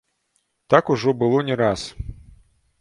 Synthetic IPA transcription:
t̪akuʐɔbɨlˠɔnʲɛɾas

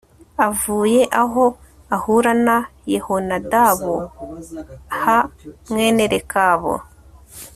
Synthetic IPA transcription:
avuːje̞ʔaɦo | ahuɾanajehonadaβo | hamŋeːneɾekaːβo̰

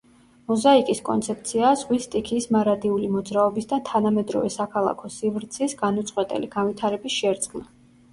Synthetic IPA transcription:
mɔzaikʼiskʼɔ̰nt̪sʰɛp̚t̪sʰiaːzʁwist̪ʼikʰiːsmaɾat̪ʼiulimɔd̪zɾaɔbisd̪at̪ʰanamɛd̪ɾɔ̰vɛsakʰalˠa̰kʰɔsivɾt̪sʰisɡanut̪sʼqʼwɛt̪ʼɛ̰liɡ̥anvit̪ʰaɾɛbisʃɛɾd̪sɡna

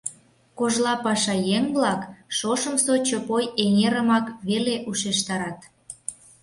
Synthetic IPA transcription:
koʒlɑpɑʃɑjeŋblɑkʃoʃə̆msot͡ɕopojeŋeɾəmɑkβeleʔuʃeʃt̪ɑɾɑt̪

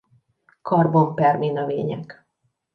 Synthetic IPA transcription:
kʰɒrbompɛrminøveːɲɛk

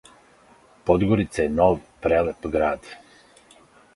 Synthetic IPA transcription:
pɔd̪ɡoɾit̪saɛnɔvpɾɛlɛpɡɾat̪

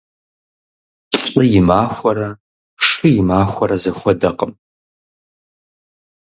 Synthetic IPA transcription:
ɬʼɨjɪmaːxʷɐɾɐ | ʂɨjɪmaːxʷɐɾɐzɐxʷɔdɐqʼəm

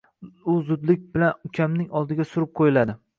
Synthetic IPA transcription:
ʊzʊd̪lɪk̚ʲbɪlanʊkʲʰamnɪŋɒlˠd̪ɪɡʲasʊɾɪp̚qʰojɪlad̪ɪ

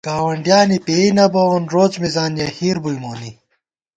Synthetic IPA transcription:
kaːwɐɳɖjaːnipeːnɐbɐoːnɾoːt͡smizaːnjɐhiːɾbujmoːni

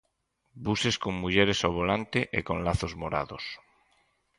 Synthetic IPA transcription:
buseskoŋmuʎeɾesoβolant̪eʔḛkõnlaθozmoɾa̰ðos

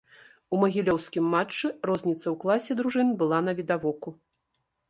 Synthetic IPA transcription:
umɐɣʲilʲɔwskʲimːat͡ʂːɨrɔzʲnʲit̪sɐwklˠasʲɛd̪ɾuʐɨnbɨlˠanɐvʲid̪avɔku

